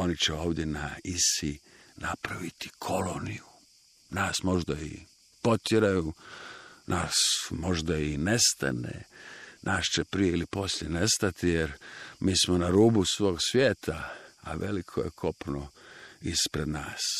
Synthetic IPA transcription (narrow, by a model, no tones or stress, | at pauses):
o̞nit͡ɕeo̞ːʋd̪je̞naisi | napɾaʋit̪i̥kʰo̞lo̞niju | naːsmo̞ʒd̪aḭ | po̞t̪jeɾaju | nʔaːsmo̞ʒd̪aine̞st̪a̰nḛnʔaːʃt͡ʃepɾijeilipo̞sljene̞st̪at̪ijeɾmiːsmonaɾuːbusʋo̞ːɡsʋjeːt̪ʰaa̰ʋe̞likʰo̰jḛkʰo̞pnoispɾe̞d̪naːs